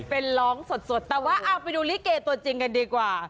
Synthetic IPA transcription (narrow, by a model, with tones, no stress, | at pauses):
pe˧nlɔː˦˥ŋso˨˩t̪̚so˨˩t̪ːɛː˨˩waː˥˩ʔaː˧˩wpa˧jduː˧liː˦˥keː˧t̪u˧ɐt͡ɕi˧ŋka˧ndiː˧kwaː˨˩